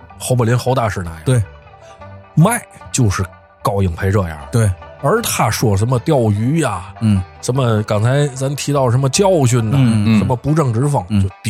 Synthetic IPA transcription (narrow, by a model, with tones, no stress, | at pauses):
xʰo˧ʊpə˨˩ljɛ˧˥nxo˧˥ʊt̪a˥˧˩ʂɻ̩˥˩na˧˩jt̪we˥˩ɪ | ma˥˩ɪt͡ɕjo˥˧ʊʂɻ̩˥˩ | kɑ˥˩ʊji˨˩ŋpʰe˧˥ɪʈ͡ʂɤ˥˧ja̰˧˩t̪we˥˩ɪə˞˧˥t̪ʰa˥ʂwɔ˥˩ʂ̬ə˧˥nmə˧t̪jɑ˥˩ʊy˧˥ja˨˥˩ʂə˧˥nmə˧kɑ˨˩ŋt͡sʰa˧˥ɪt͡sa˧˥nt̪ʰi˧˥t̪ɑ˥˩ʊʂə˧˥nmə˧t͡ɕjɑ˥˧ʊɕ̬y˥˩nə˨˩ʂə˧˥nmə˧pu˧˥ʈ͡ʂɤ˥˩ŋʈ͡ʂɻ̩˧˥fɤ˥˨˩ŋt͡ɕjo˥˧ʊt̪